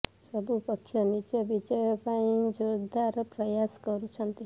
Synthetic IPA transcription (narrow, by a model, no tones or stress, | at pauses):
sɔbʱupɔkʰːjɔnit͡ʃɔbid͡ʒɔjɔpaĩd͡ʒoɾd̪ʱaɾɔpɾɔjaskɔɾut͡ʃʰʌnt̪i